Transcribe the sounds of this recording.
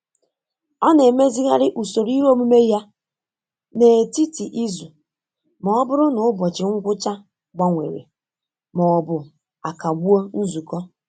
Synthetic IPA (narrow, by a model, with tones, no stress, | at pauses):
ɔ˦ne˨me˦zi˦ɣa˦ɾɪ˦ʔu˨so˨ɾi˦ɾo˦mu˦me˦ja˦ | ne˨e˨ti˦ti˨ʔi˦zu˨ | mɔ˨ɔ˦bʊ˦ɾʊ˦nʊ˨ʊ˦bɔ˨t͡ʃɪ˨ŋ̩˦ɡʷʊ˦t͡ʃa˦ | ɡ͡ba˨ŋʷḛ˨ɾḛ˨ | mɔ˨ɔ˨bʊ˨ | a˨ka˨ɡ͡bu˦o˦n̩˦zu˨kɔ˦